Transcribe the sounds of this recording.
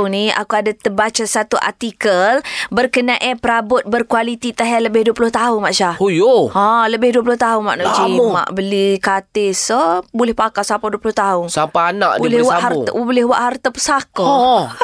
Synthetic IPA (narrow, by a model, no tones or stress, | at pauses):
ŋnia̰kuadat̪əbat͡ʃasat̪uʔa̰rt̪ikəlbərkənaʔapəɾabʊt̪̚bərkwalit̪it̪aɦɛləbɪhduəpulʊht̪aɦʊnmaʔʃahojoãləbɪhduəpulʊht̪aɦʊnma̰ʔnad͡ʒima̰ʔbəlikat̪ɪsəbolɛhpakasapaduəpulʊht̪aɦʊnsampaana̰ʔdlɛwaʔhablɪhwaʔhart̪apəsakɔ